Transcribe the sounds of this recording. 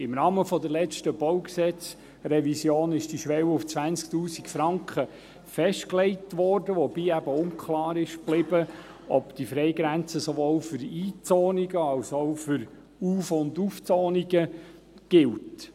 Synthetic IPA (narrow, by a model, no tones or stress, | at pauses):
ɪmnɑːməfɔd̪əɾlɛt͡ʃtəb̥oʊksɛt͡s | ɾɛvisjoːnɪʃd̥iʃʋɛwʊft͡sʋænt͡sk̚tuːsikfɾɑŋkχə | fɛʃtklɛɪtʋɔːɾdəʋɔbiːæbəʊŋkʰχlɑːɾɪʃb̥lɪbə | ɔpd̥ifɾɛɪɡɾænt͡səsoʋoːlfʏɾiːt͡soːniɡəɑlsofʏɾ | uːfʊnduːft͡sɔːniɡə | ɡ̥ɪlt